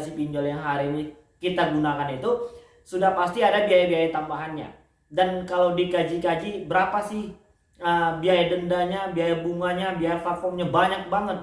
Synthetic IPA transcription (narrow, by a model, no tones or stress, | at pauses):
sipiɲd͡ʒɔljaŋɦaɾini | kit̪aɡunakanit̪u | sudahpast̪iadabiajabiajat̪ambaɦanɲa̰ | dankalawdikad͡ʒikad͡ʒibəɾapasɪh | əbiajadəndaɲabiajabuŋaɲabiajafafɔŋɲabaɲak̚baŋət̪̚